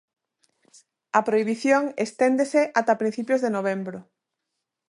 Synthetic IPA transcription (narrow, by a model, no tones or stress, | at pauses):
ɐpɾoiβiθjoŋest̪end̪eseʔat̪apɾin̟θipjozðenoβ̞embɾʊ